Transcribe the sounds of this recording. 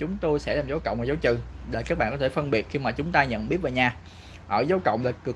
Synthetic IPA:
t͡ɕʊ˨˦ŋ͡mt̪o˧jsɛ̰˧˥laː˨˩mzaː˨˦wkə̰˧˨wŋ͡mvaː˨˩zaː˨˦wt͡ɕɨ̰˧˨ɗeː˨˩kaː˦˥k̚ɓa̰ː˧˨ŋkɔ˨˦t̪ʰe˧˩fə˧nɓi˨˩ət̚xi˧maː˨˩t͡ɕʊ˨˦ŋ͡mt̪aː˧ɲə̰˧˨nɓi˦˥ət̚vaː˨˩ɲaː˧ | ʔəː˧˩zaː˨˦wkə̰˧˨wŋ͡mlaː˨˩kɨ˨˩

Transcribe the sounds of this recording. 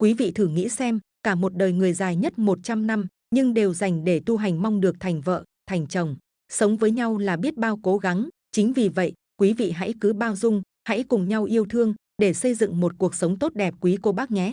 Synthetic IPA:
kwi˨˦vḭ˧˨t̪ʰɨ˨˩ŋḭ˧˥sɛ˧m | kaː˧˩mo˨˩t̚ɗəː˨˩jŋɨ˨˩əjzaː˨˩jɲə˦˥t̚mo˨˩t̚t͡ɕa˧mna˧m | ɲɨ˧ŋɗe˨˩wza˨˩jŋ̟ɗe˧˩t̪u˧ɦa˨˩jŋ̟ma˧wŋ͡mɗɨ˨˩ək̚t̪ʰa˨˩jŋ̟və̰ː˧˨t̪ʰa˨˩jŋ̟t͡ɕə˨˩wŋ͡m | sə˨˦wŋ͡mvəː˨˦jɲa˧wlaː˨˩ɓi˦˥ət̚ɓaː˧wko˨˦ɣa˨˦ŋ | t͡ɕï˨˦ŋ̟vi˨˩və̰˧˨j | kwi˨˦vḭ˧˨ɦa̰˧˥jkɨ˨˦ɓaː˧wzʊ˧ŋ͡m | ha̰˧˥jkʊ˨˩ŋ͡mɲa˧wʔi˧əwt̪ʰɨ˧əŋ | ɗe˧˩sə˧jzɨ̰˧˨ŋmo˨˩t̚ku˨˩ək̚sə˨˦wŋ͡mt̪o˦˥t̚ɗɛ˨˩p̚kwi˨˦ko˧ɓaː˦˥k̚ŋɛ˨˦˥t̚

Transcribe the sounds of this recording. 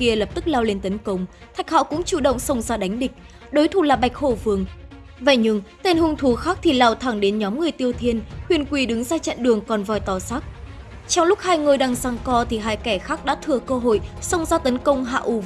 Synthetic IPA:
ki˧ələ˨˩p̚t̪ɨ˦˥k̚laː˧wle˧nt̪ə˨˦nkə˧wŋ͡mt̪ʰa˨˩jk̟̚hɔ̰˧˨kʊ̰˧˥ŋ͡mt͡ɕṵ˧˨ɗə̰˧˨wŋ͡msə˧wŋ͡mzaː˧ɗa˨˦jŋ̟ɗï˨˩k̟̚ | ɗo˨˦jt̪ʰu˨˩laː˨˩ɓa˨˩jk̚ho˧˩vɨ˨˩əŋ | və̰˧˨jɲɨ˧ŋt̪e˧nhɨ˧ŋt̪ʰu˨˦xaː˦˥k̚t̪ʰi˨˩laː˨˩wt̪ʰaː˧˩ŋɗe˨˦nɲɔ˨˦mŋɨ˨˩əjt̪i˧əwt̪ʰi˧ənhwi˨˩ənkwi˨˧˩ɗɨ˨˦ŋzaː˧t͡ɕə̰˧˨nɗɨ˨˩əŋkɔ˨˩nvɔ˨˩jt̪ɔ˨˩sa˦˥k̚ | t͡ɕɔ˧wŋ͡mlʊ˦˥k̚haː˧jŋɨ˧˨˩jɗaː˧ŋzaː˧ŋkɔ˧t̪ʰi˨˩ɦaː˧jkɛ˧˩xaː˦˥k̚ɗa̰ː˧˥t̪ʰɨ˨˧˩əkəː˧ɦo̰˧˨jsə˧wŋ͡mzaː˧t̪ə˨˦nkə˧wŋ͡mɦa̰ː˧˨ʔu˧˩

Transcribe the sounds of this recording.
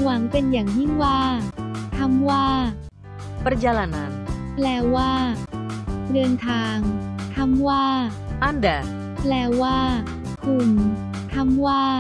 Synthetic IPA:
wa˩˦ŋpe˧njaː˨˩ŋji˥˩ŋwaː˥˩t̪ʰa˧˥mwaː˥˩ | pɾa˧˥jaː˧la˧na˧˥nplɛː˧wwaː˥˩ | ɾɯ˧əŋt̪ʰaː˧ŋt̪ʰa˧˥mwaː˥˩ʔa˧˥˩ndɛ˨˩ | plɛː˧waː˥˩ | kʰu˧˩n | t̪ʰa˧˥mwaː˥˩

